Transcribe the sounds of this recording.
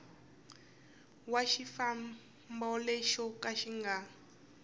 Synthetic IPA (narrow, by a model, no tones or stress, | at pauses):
waʃifa | mbɔleʃɔkʼaʃiŋɡa